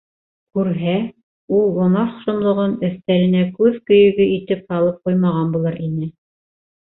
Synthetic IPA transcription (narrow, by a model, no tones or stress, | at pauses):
kʉɾɦæ | ulˠːŏnɑχʃŏmlˠŏʁɤnɵ̆θt̪ælɘ̆nækʉðkɵ̆jɵ̆ɡɘit̪ɘp̚hɑlˠɤp̚qujmɑʁɑnbulˠɤɾinɘ